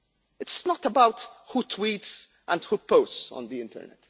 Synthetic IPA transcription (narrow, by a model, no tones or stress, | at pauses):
ɪtsnɔt̪əbawt̪hut̪ʰwiːts | ʔə̰̃nd̪huːpoʊssɔ̰̃nd̪iɪ̃nt̪ə̰ɾnɛ̰t